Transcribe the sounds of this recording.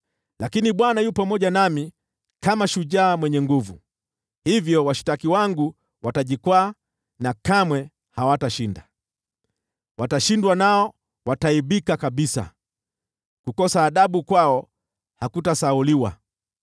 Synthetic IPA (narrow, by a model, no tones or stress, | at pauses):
lakiniɓwanajupamɔʄanami | kamaʃuʄaːmwɛɲɛŋɡuvu | hivjɔwaʃi̥takiwaŋɡu | wataʄikwaː | nakamwɛ | hawataʃinda | wataʃindwanaɔ | wataiɓikakaɓisa̰ | kukɔsaːɗaɓukwaɔ | hakutasauliwa̰